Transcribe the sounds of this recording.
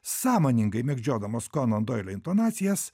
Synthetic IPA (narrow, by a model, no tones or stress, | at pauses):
sɑːmoːnʲɪŋɡɐɪmʲɛɡd͡ʒʲoːd̪ɐmɐːskonɐnd̪oɪlʲoɪnt̪onɑːt̪sʲɪjɛs